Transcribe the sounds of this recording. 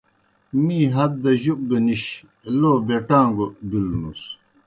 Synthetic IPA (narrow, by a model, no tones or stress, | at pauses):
miːɦɐd̪̚d̪ɐʑuk̚ɡɐniɕ | loːbeʈãːŋɡobilnus